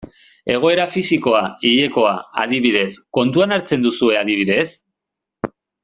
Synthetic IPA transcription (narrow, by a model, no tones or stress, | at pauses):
e̞ɣ̞o̞e̞ɾafisiko̞aiʎe̞ko̞aa̰ðiβið̞e̞sko̞nt̪uanaɾt͡se̞nd̪usue̞aðiβ̞iðe̞s